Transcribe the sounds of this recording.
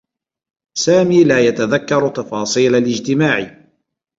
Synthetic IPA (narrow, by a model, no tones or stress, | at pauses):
saːmiːlaːjat̪aðakːɑɾˤt̪ɑfɑːsˤiːlalɪd͡ʒt̪ɪmaːʕɪ